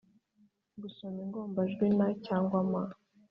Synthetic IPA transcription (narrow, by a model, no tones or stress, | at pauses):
ɡusomiŋɡo̞ːmbaʒɡwinacaːŋɡwama